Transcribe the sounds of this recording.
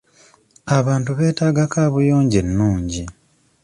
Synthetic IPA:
aβaːntuβe̞ːtaːɡakaːβujo̞ːɲɟe̞nːuːɲɟi

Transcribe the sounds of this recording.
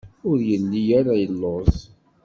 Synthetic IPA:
ʊɾjəlːijaɾajəlːoðˤ

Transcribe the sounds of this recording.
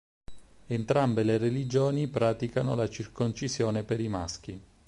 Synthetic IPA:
ent̪ɾambelerelid͡ʒoːnipɾaːt̪ikanolat͡ʃirkont͡ʃisjoːnepeɾimask̟i

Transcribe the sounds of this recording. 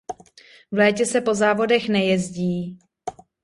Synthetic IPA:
vlɛːcɛsɛpo̞zaːvo̞dɛxnɛjɛzɟiː

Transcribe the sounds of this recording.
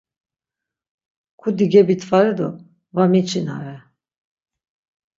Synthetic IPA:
kʰud̪iɡɛbit̪ʰvaɾɛd̪ɔ | vamit͡ʃʰinaɾɛ

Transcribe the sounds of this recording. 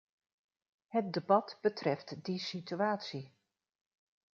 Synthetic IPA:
hət̚dəbɑtb̥ətʰrɛftdisityaːtsi

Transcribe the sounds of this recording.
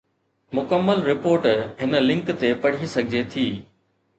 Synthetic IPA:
mʊkəmːəlɾɪpoːɾʈɦɪnlɪ̃ŋkt̪epɐɽ̤isɐɡʱɪd͡ʑet̪ʰiː

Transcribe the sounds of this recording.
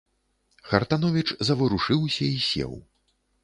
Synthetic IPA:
xɐrt̪anɔvʲit͡ʂzɐvɨɾuʂɨwsʲɐisʲɛ̰w

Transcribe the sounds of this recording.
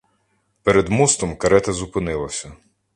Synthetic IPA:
peɾed̪must̪ɔmkɐɾɛt̪ɐzʊpɪnɪlˠɐsʲɐ

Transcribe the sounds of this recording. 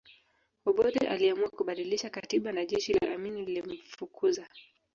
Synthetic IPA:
ɔɓɔɗɛʔa̰liamuakuɓaɗiliʃakatiɓanaʄɛʃila̰ʔaminililim̩fukʰuza

